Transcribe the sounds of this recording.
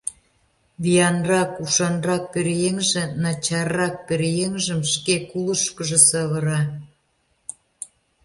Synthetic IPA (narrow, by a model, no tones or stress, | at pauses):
βijɑnrɑkuʃɑnrɑk̚peɾjeŋʒĕnɑt͡ɕɑrːɑk̚peɾjeŋʒə̆mʃkekuləʃkə̆ʒĕsɑβɤ̆ɾɑ